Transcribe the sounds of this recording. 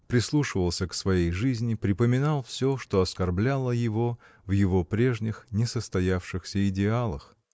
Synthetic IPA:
pɾʲɪslˠuʂɨvəlˠsʲəksvɐjejʐɨzʲnʲɪpɾʲɪpəmʲɪnɑlˠfsʲoʂt̪o̞ɐskɐrblʲalˠəjɪvo̞ | vjɪvo̞pɾʲe̞ʐnʲɪxnʲɪsəst̪ɐjafʂɨxsʲəɪdʲɪalˠəx

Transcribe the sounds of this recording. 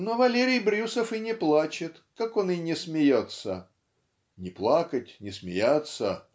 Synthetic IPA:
novɐlʲeɾʲɪjbɾʲusəfɨnʲɪplˠat͡ɕɪt̪ | kako̞nɨnʲɪsmʲɪjot̪sə | nʲɪplˠakətʲnʲɪsmʲɪ̰jat̪sə

